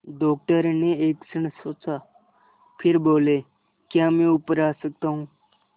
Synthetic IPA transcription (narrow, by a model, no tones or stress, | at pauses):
ɖɔk̚ʈəɾneeksəɳ̃sot͡sa | pʰiɾboːle | kjamẽupɾaːsək̚t̪aɦũː